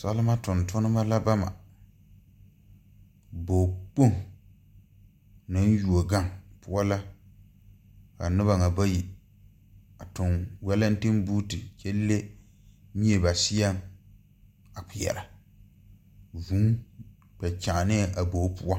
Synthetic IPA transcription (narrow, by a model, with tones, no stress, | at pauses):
sa˦lɨ˦ma˦tʊ˨ntʊ˦nɨ˦ma˦la˦ba˦ma̰˨ | boː˨k͡po˦˨ŋ˨ | nɨ˦n˦ju˨o˨ɡa˦ŋpʊ˦a˦la˦ | ka˨nɨ˦ba˨ŋa˨ba˦ji˨ | a˨tʊ˨ŋwɛ˦la˦n̩˦tɨ˦mbuː˦tɨ˨t͡ʃɛ˦lːe˦ | ɲi˦e˨ba˨si˦a˦m | a˨k͡pʊ˨jɛ̰˨ɾa˨ | vu˨˦ | bɛ˨t͡ʃa˨ʔnɪ˦˨ʔa˨bo˨˦pu˦a˦